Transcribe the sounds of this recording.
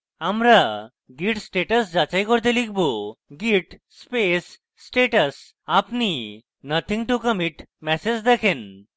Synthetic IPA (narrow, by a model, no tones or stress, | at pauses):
amɾa | ɡiʈsʈeʈəsd͡ʑat͡ɕajkɔɾt̪̬elik̚buɡiʈspesː | ʈeʈəs | apni | nət̪ʰĩŋɡʈukəmiʈmɛsed͡ʑd̪ɛkʰen